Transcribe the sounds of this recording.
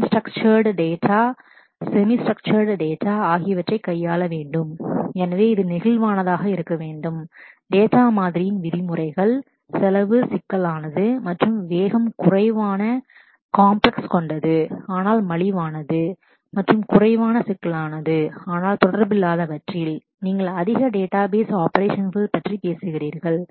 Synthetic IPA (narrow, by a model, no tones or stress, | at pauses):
sʈrɐkt͡ʃɐɾɖɖeːʈʰaː | sɛmisʈrɐk̚t͡ʃɐɾɽɖeːʈːaːaːɣɪjɐʋɐʈrɐɪkːɐjːaːlɐʋeːɳɖɯmɛnɐʋeːɪðɯnɪɣɪlʋaːnɐðaːɣɐɪɾɯkːɐʋeːɳɖɯmɖeːʈːaːmaːðɪɾɪjɪnʋɪðɪmɯrɐɪɣɐɭ | sɛlɐʋɯsɪkːɐlaːnɐðɯmɐʈrɯmʋeːɣɐmkʊrɐɪʋaːnɐ | kaːmplɐkskɔɳɖɐðɯaːnaːlmɐɭɪʋaːnɐðɯ | mɐʈrɯmkʊrɐɪʋaːnɐsɪkːɐlaːnɐðɯaːnaːlt̪ɔɽɐɾbɪlːaːðɐʋɐʈrɪl | niːŋɡɐɭɐðɪɣɐɖeːʈːaːbeːsaːpɐɾeːʂɐnɣɐɭpːɐʈripeːsɯɣɪriːɾɣɐɭ